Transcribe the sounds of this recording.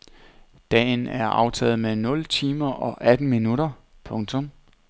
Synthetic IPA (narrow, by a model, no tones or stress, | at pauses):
d̥ɛ̰ːnæɐʔɑ̈ʊt͡sʰɛ̰ːð̞̩ˠmenɔ̽lt͡sʰiːmɐʔɒ̽ʔæd̥n̩minuɾɐ | pʰɔ̽ŋt͡sʰɔ̽m